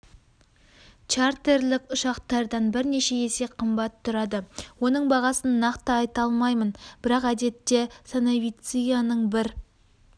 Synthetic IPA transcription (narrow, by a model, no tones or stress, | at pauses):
t͡ʃart̪e̞ɾlɪkʊʃɑqt̪ɑɾd̪ɑnbɪɾne̞ʃe̞ese̞qʰəmbɑt̪ʰːʊɾɑd̪əwo̞nəɴbɑʁɑsənːɑqt̪əɑjt̪ɑlˠmɑjmənb̥ɪɾɑqæd̪e̞t̪ːe̞sanavʲijt̪sɨjanəɴbɪɾ